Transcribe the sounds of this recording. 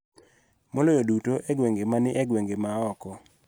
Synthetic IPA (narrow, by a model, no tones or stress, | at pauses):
molojodutoʔɛɡweŋɡemanɪʔɛɡweŋɡemaɔkɔ